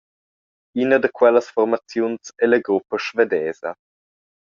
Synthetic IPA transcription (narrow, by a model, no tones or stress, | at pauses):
inəd̪əkwɛləsfɔrmat͡sjunsɛləɡɾupːəʃved̪ɛːzə